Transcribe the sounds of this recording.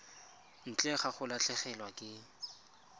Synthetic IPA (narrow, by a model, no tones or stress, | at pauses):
n̩t͡ɬʼɛχaχʊlaɬɛχɛlwakʼɪ